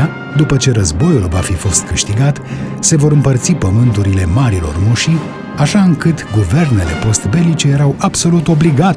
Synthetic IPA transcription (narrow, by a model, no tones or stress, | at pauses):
a | d̪upət͡ʃe̞ɾəzbo̞julvafifo̞st̪̚kɨʃt̪iɡat̪ | se̞vo̞ɾɨmpərt̪sipəmɨnt̪uɾile̞maɾilo̞̰rmuʃi | aʃaɨŋkɨt̪ɡuve̞rne̞le̞̰po̞st̪be̞lit͡ʃe̞je̞ɾawab̥so̞lut̪o̞bliɡa